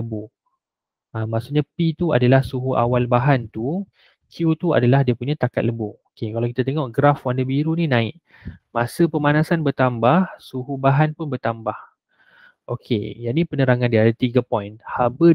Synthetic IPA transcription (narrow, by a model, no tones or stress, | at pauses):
əbu | amːaʔsuʔɲapit̪ua̰dalahsuɦuʔa̰walbaɦant̪u | kʰjut̪ua̰dalahdiapuɲãt̪akat̪̚ləbuokekalawkit̪at̪eŋɔʔɡɾafwandəbiɾuninãɪʔ | mãsəpəmanasanbərt̪ambahsuɦubaɦanpʊnbərt̪ambah | ʔokʰḛjaʔnipənəɾaŋãndiaadat̪iɡapɔjnhabə